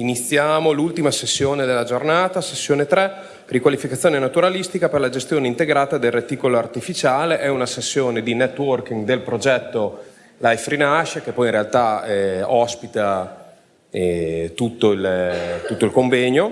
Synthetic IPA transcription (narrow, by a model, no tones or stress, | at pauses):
init̪sːjaːmolult̪imasesːjoːned̪elːad͡ʒornaːt̪asesːjoːnet̪ɾɛ | rikwalifikat̪sːjoːnenat̪uɾalist̪ikaperlad͡ʒest̪joːneint̪eɡɾaːt̪ad̪elret̪ːiːkoloart̪ifit͡ʃaːleʔɛunasesːjoːned̪inɛt̪ːwork̟iŋɡd̪elpɾod͡ʒɛt̪ːo | lajfɾinaʃek̟epːɔjinɾealt̪aɛɔspit̪a | ɛt̪ut̪ːoilt̪ut̪ːoilkoɱvɛɲo